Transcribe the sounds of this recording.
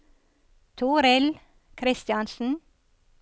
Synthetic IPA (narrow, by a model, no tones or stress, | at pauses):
t̪ʰuːɾɛl | kʰɾɪst̪jɑnsn̩